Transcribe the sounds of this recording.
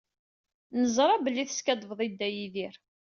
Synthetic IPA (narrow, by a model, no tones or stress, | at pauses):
nəzˤɾˤɑbəlːiθə̥skæd̪ˤəvðˤid̪ːæjiðiɾ